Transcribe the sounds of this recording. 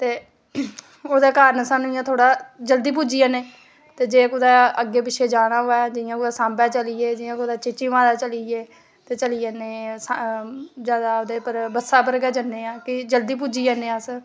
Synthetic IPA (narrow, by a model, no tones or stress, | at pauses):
t̪eː | oːd̪eːkaːɾənəsãːnũɪjãːt̪ʰoːɽaːd͡ʒəld̪iːp̬uːd͡ʒiːaːneː | t̪eːd͡ʒeːkʊd̪ɛːəɡːeːpɪt͡ʃʰeːd͡ʒaːnaːɦoːɛːd͡ʒɪjãːkʊd̪aːsãːmbɛ̃ːt͡ʃəlieːd͡ʒɪãːkʊd̪aːt͡ʃɪt͡ʃːiːʋãːd̪aːt͡ʃəliːeː | t̪eːt͡ʃəlieːneːs | d͡ʒaːd̪aːod̪eːpəɾbəsaːpəɾɡɛːd͡ʒənːeːãːkɪd͡ʒəld̪iːp̬uːd͡ʒiːaːnẽːas